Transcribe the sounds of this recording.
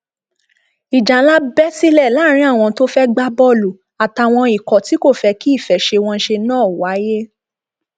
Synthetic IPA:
i˨d͡ʒa˨˦la˦bɛ˦si˦lɛ˦˨la˨˦ɾ̃ĩ˧˦a˦˨w̃ɔ̃˧to˦fɛ˦ɡ͡ba˦bɔ˦lu˨ | a˨ta˨w̃ɔ̃˧i˨kɔ˨ti˨˦ko˦˨fɛ˧ki˦i˦˨fɛ˨ʃe˧w̃ɔ̃˧˦ʃe˧nãː˦˨wa˨˦je˦

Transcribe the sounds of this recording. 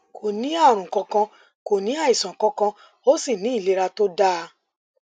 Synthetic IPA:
kʰo˨nĩ˨˦a˦˨ɾ̃ũ˨kɔ̃˧kã˧ | ko˨nĩ˨˦a˦˨i˨sã˨kɔ̃˧˦kã˧ | o˦si˦˨nĩ˨˦i˦˨le˨˧ɾa˧to˦da˦˧

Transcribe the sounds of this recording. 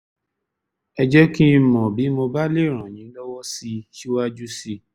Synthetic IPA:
ɛ˧d͡ʒɛ˦ki˦˧mɔ̃˨bi˨˦mo˧ba˦le˦˨ɾ̃ã˨j̃ĩ˨˦lɔ˦wɔ˦si˧ʃi˦wa˦d͡ʒu˦si˧

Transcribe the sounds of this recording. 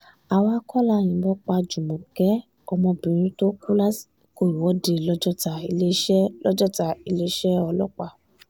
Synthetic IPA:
a˧˨wa˦kʰɔ˦la˦˨j̃ĩ˨˦bɔ˦k͡pa˧d͡ʒu˨mɔ̃˨ɡ̥ɛ˨˦ | ɔ˧mɔ̃˧bĩ˨ɾ̃ĩ˨˦to˦ku˦la˦si̥˨ko˧˨i˨wɔ˨˦de˧lɔ˦d͡ʒɔ˦ta˨i˧le˦ʃɛ˦lɔ˦d͡ʒɔ˦ta˨i˧le˦ʃɛ˦ɔ˧lɔ˦k͡pa˧˨

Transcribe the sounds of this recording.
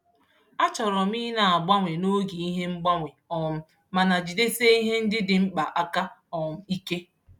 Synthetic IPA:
a˦t͡ʃɔ˨ɾɔ˨m̩i˦na˨a˨ɡ͡ba˦ŋʷe˨no˦ɡi˨i˦ɦe˦ŋ͡m̩˦ɡ͡ba˦ŋʷe˨ɔ˨m̩˦˨ | ma˨na˨d͡ʒi˨de˦se˦i˦ɦe˦n̩˦dɪ˦dɪ˨ŋ͡m̩˦k͡pa˨ʔa˦ka˦ɔ˨m̩˨i˦ke˦

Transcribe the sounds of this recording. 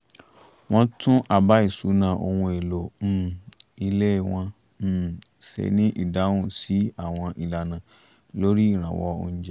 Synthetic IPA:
w̃ɔ̃˦tʰũ˦ʔa˦˨ba˦i˦˨su˨˦nã˨˧˨ʔo˧hũ˧e˨lo˨m̩˦˨i˧le˦˨w̃ɔ̃˧˦˨ | sḛ˨nĩ˦ʔḭ˦˨da˨˦wũ˦˨si˨˦a˦˨w̃ɔ̃˧ʔi˨la˨nã˨ | lo˦ɾi˦i˦˨ɾ̃ã̰˨wɔ̰˧o̰˧ñ̩˦d͡ʒɛ˦

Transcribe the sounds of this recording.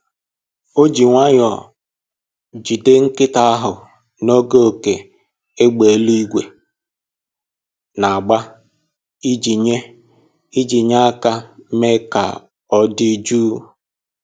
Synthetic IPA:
o˦d͡ʒi˨ŋʷa˦ɲɔ˨ | d͡ʒi˨de˦ŋ̩˦kɪ˦ta˦a˦ɦʊ˨ | no˦ɡe˦o˨ke˨ | e˦ɡ͡be˨e˨˦lu˦i˦ɡʷe˨ | na˨a˨ɡ͡ba˦ | i˦d͡ʒi˨ɲe˦ | i˦d͡ʒi˨ɲa˦a˦ka˦me˦ka̰˨ | ɔ˦di˦d͡ʒuː˦

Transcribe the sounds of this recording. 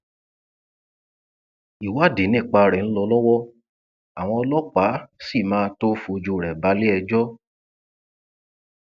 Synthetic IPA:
i˨wa˦˨de˨˦nĩ˦˨k͡pa˧ɾɛ˨n̩˦lɔ˧lɔ˦wɔ˦ | a˨w̃ɔ̃˧ɔ˧lɔ˦k͡pa˨˦si˦˨mãː˦to˦fu˧d͡ʒu˧˨ɾɛ˨ba˨˦le˦ɛ˧d͡ʒɔ˦

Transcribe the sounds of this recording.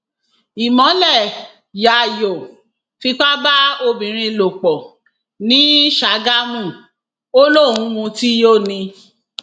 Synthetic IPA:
i˨mɔ̃˨˦lɛ˦˨ | ja˨jo˨ | fi˧k͡pa˦ba˦o˧bĩ˨ɾ̃ĩ˧lo˨k͡pɔ˨ | nĩ˨˦ʃa˨˦ɡa˦mũ˦˨ | o˦lo˦˨ɾ̃ũ˧˦wũ˧ti˦joː˦˨nĩ˧

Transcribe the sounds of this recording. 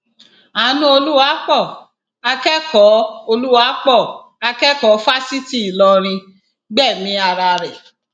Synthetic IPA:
a˨nũ˦o˧lu˦a˨˦k͡pɔ˦˨ | a˧kɛ˦kɔ˨˦o˧lu˦wa˨˦k͡pɔ˦˨ | a˧kɛ˦kɔ˨˦fa˦si˦ti˦i˨lɔ˧ɾ̃ĩ˧ | ɡ͡bɛ˦˨mĩ˨˧˦a˧ɾa˧ɾɛ˨

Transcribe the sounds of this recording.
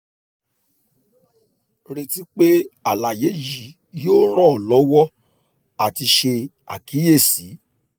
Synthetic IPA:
ɾe˧ti˦k͡pe˦a˨la˨je˨˦ji˨˦ | joː˦ɾɔ˦˨lɔ˨˦wɔ˦ | a˨ti˧ʃe˧ | a̰˨ki˨˦je˦˨si˨˦

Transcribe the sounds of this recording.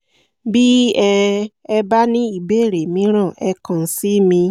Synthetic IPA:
bi˦ɛ˧ɛ˧ba˦nĩ˦i˦˨be˨˦˨ɾe˨mĩ˧˦ɾ̃ã˦˨ʔɛ˧kã˨si˨˦mĩ˧

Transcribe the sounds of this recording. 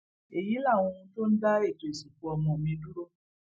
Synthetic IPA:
e˨ji˨˦la˦˨wũ˧ũ˧to˦n̩˦da˦e˦˨to˨e˨si˨ku˨˧ɔ˧˨mɔ̃˨mĩ˧˦du˦ɾo˦

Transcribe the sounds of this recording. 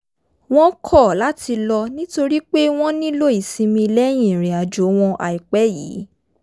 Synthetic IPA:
w̃ɔ̃˦kʰɔ˦˨la˨˦ti˧lɔ˧nĩ˦to˧ɾi˦k͡pe˦w̃ɔ̃˦nĩ˦lo˦˨i˦˨sĩ˧mĩ˧lɛ˦j̃ĩ˨ɾ̃ĩ˨a˨d͡ʒo˨˦w̃ɔ̃˧ʔa̰˨i˨k͡pɛ˨˦jiː˨˦

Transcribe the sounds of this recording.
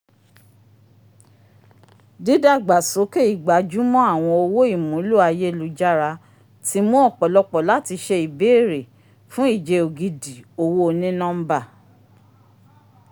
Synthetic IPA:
di˨˦da˦˨ɡ͡ba˨so˨˦ke˦i˦˨ɡ͡ba˨d͡ʒu˦mɔ̃˦a˦˨w̃ɔ̃˧o˧wo˦i˦˨mũ˨˦lu˦a˧je˦˨lu˨˦d͡ʒa˦ɾa˧ | tʰi˨˦mõ˦ɔ˦˨k͡pɔ˨lɔ˧k͡pɔ˨la˦ti˧ʃɛ˧i˨be˨˦˨ɾe˨ | fũ˦i˦˨d͡ʒe˧o˨ɡi˧di˨o˧wo˦o˧nĩ˦nɔ̃˦m̩˦ba˦˨

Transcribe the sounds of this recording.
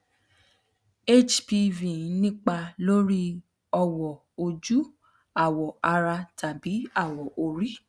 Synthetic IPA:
e˦t͡ʃpi˧vĩ˨˦nĩ˦k͡pa˧lo˦ɾi˦ | ɔ˧wɔ˨ | o˧d͡ʒu˦ | a˦˨wɔ˨a˧ɾa˧tʰa˨bi˨˦a˦˨wɔ˨ʔo˧ɾi˦

